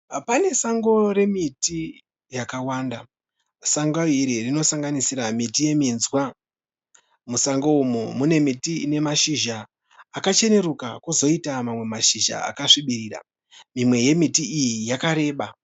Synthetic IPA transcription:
pane̞saŋɡo̞ɾe̞miti | jakawaːnda | saŋɡoiɾirino̞saŋɡanisiɾamitije̞minzwa | musaŋɡoumumune̞mitine̞maʃiʒaː | kat͡ʃe̞ne̞ɾukakuzo̞itamamwe̞maʃiʒa̰a̰kaʂiɓiɾiːra̰ | mimwe̞je̞mitiijijakaɾe̞ːɓa

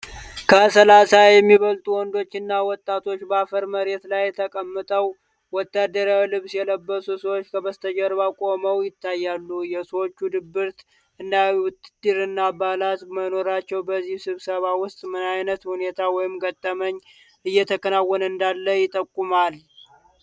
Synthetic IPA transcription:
kʰəsəlasajɛmːiβəlt̪ʼuwɔnd̪o̞t͡ʃːɪnːawɔt̪ʼːat̪ʰo̞t͡ʃːbəafəɾməɾe̞t̪lajːɛt̪ʰəkʼəmːɨt̪ʼəw | wɔt̪ːad̪əɾawlɨβsjɛləbːəsusəwot͡ʃːkʰəβəst̪ʰəd͡ʒəɾβakʼo̞məwjɪt̪ʰːajːalːujɛswot͡ʃːud̪ɨbːɨɾt̪ | ɨnd̪aʊt̪d̪ɨɾɨnːabalat̪məno̞ɾat͡ʃːɛwbəzːihsɨβsəβawʊst̪ʼmɨnajnət̪hune̞t̪ʰawɔjɪmɡət̪ʼːəməɲː | ʔɨjːɛt̪ʰəkʰənawːɔnɨnd̪alːəjɪt̪ʼəkʼːumal

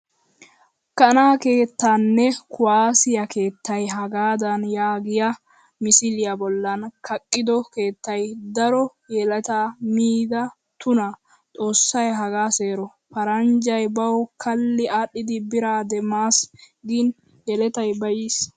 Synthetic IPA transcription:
kɐnaːke̞ːt̪ːaːnːɛkʰʊwaːsɪjɐke̞ːt̪ːɐjɦɐɡaːd̪ɐnjaːɡɪjɐ | mɪsɪlɪjabɔlːɐnkʰɐkʼːɪd̪ɔke̞ːt̪ːɐjd̪ɐɾɔ | jɛlɐt̪amiːd̪ɐ | t̪ʊnɐ | t͡sʼo̞ːsːɐjɦɐɡaːse̞ːɾɔ | pɐɾɐnd͡ʒɐjbɐwkʰɐlːɪʔaːɗːɪd̪ɪbɪɾaːd̪ɛmaːs | ɡɪn | jɛlɛt̪ɐjbɐjis

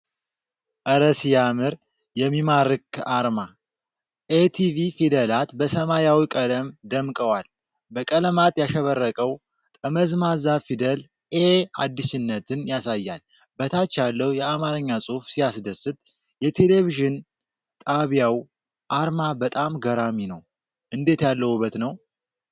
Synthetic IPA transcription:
ʔəɾəsjamɨɾ | jɛmːimaɾɨkaɾma | ʔet̪ʰivifid̪əlat̪bəsəmajawikʼələmd̪əmkʼəwal | bəkʼələmat̪ʼjaʃəβərːəkʼəw | t̪ʼəməzmazafid̪əl | ʔead̪ːɨʃɪnːət̪ʰɨnjasajːal | bət̪ʰat͡ʃːalːəwjɛamaɾɨɲːasʼufsijasd̪əsɨt̪̚ʼ | jɛt̪ʰe̞le̞viʒɪn | t̪ʼaβjaw | ʔaɾmabət̪ʼamɡəɾaminəw | ʔɨnd̪e̞t̪jalːəhubːət̪nəw

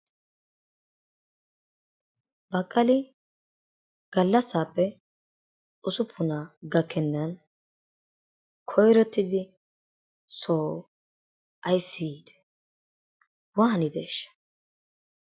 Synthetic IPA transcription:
bɐkʼːɐlɪ | ɡ̥ɐlːɐsːaːpːɛ | ʔʊsʊpʰːʊnaːɡɐkʰːɛnːɐn | kʰɔjɾɔt̪ːɪd̪ɪ | soː | ʔɐjsːɪːd̪ɛ̥ | waːnɪd̪ḛːʃːɐ̥

